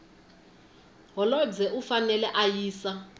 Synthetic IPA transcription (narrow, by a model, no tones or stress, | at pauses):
ɦɔlɔd͡zɛʔufanɛlɛʔajiːsa